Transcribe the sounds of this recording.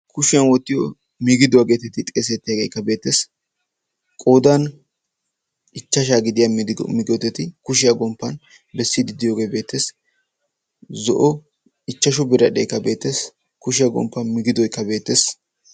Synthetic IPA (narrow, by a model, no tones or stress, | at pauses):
kʊʃɪjɐnwɔt̪ːɪjɔ | mɪɡɪd̪ʊɐːɡe̞ːt̪ɛt̪ːɪt̪ʼeːs̬ɛt̪ːɪjɐɡeːjkːɐbe̞ːt̪ːeːs | kʼo̞ːd̪ɐn | ɪt͡ʃːɐʃaːɡɪd̪ɪjɐmɪɡɔt̪ːɛt̪ɪkʊʃ̬ɪjɐɡɔmpːɐn | bɛsːɪd̪ɪd̪ɪjo̞ːɡe̞ːbe̞ːt̪ːe̞ːs | zɔ̰ʔɔ | ɪt͡ʃːɐʃ̬ʊbɪɾɐɗeːkːɐbe̞ːt̪ːeːs | kʊʃɪjɐɡɔ̰mpːɐnmɪɡɪd̪ɔjkːɐbe̞ːt̪ːeːs